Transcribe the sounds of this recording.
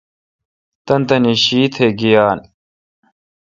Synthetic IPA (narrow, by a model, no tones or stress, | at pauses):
t̪ɐnt̪ɐniɕiːt̪ʰeɡijaːn